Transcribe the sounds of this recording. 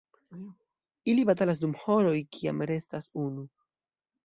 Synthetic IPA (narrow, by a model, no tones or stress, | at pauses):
ilibat̬alas̬dumho̞ɾo̞jkʰia̰mɾe̞stasunu